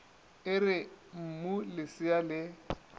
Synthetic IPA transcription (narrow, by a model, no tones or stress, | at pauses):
ɪrɪm̩mulɪsɪalɪ